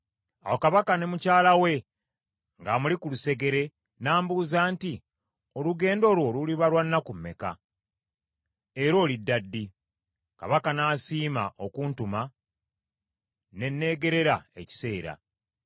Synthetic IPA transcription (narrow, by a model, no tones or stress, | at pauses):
a̰wo̞kaβakane̞mucaːlawe̞ | ŋɡamulikuluse̞ɡe̞ɾe̞ | naːmbuːzaːnti | oluɡe̞ːndo̞ːlwo̞ːluliβalwanːakumːe̞̰ka̰ | eɾo̞ːlidːadːi | ka̰βakanaːsiːma̰ʔokuːntuma | ne̞nːe̞ːɡe̞ɾe̞ɾae̞̰ci̥se̞ːɾa̰